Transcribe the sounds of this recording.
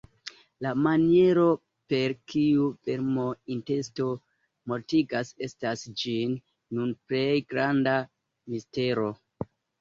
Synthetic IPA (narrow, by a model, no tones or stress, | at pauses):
lamanije̞ɾo̞ | pe̞ɾkiuve̞ɾmo̞inte̞sto̞ | mo̞ɾtiɡase̞stasd͡ʒinː | unple̞jɡɾanda | miste̞ɾo̞